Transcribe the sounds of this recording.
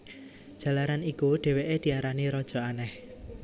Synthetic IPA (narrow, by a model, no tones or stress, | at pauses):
d̥ʒ̥ä̤laɾanikuɖ̥e̤weʔed̪̥i̤aɾaniɾɔd̥ʒ̥ɔ̤anɛh